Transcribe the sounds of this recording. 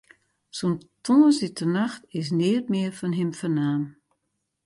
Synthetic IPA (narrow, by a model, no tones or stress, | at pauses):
sontʰoːsɪtʰənaxtɪs̬nɪːətmɪərfɔnɦɪmfərnaːm